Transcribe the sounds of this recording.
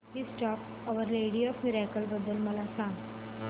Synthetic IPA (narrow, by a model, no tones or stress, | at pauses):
disʈɔːk | ɔʋəɾleːɽiɔːfmɪɾaːkəlbəd̪əlmɐlasãːŋ